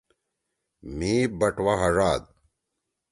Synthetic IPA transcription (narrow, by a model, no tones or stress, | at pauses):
miːbɐʈwaɦɐʐaːd̪̚